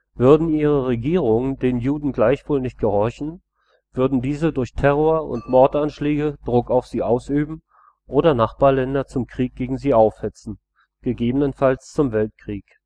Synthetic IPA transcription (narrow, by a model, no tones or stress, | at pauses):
vʏɐdn̩iːʁ̞əʁeɡiːʁ̞ʊŋədeːnjuːdn̩ɡlaɪçv̥oːlnɪçt̚ɡ̥əhɔɐçn̩ | v̥ʏɐdn̩diːzədʊɐçtʰɛʁoːɐʊ̰ntmɔɐtʔanʃlɛːɡəd̥ʁʊkaʊfz̥iːʔaʊsʔyːbm̩ | ʔoːɾɐnaχb̥aːɐlɛndɐt͡sʊmkʁ̥iːk̚ɡ̥eːɡŋ̩ziːʔaʊfhɛt͡sn̩ | ɡ̥əɡeːbənənfalst͡sʊmvɛlt̚kʁ̥iːk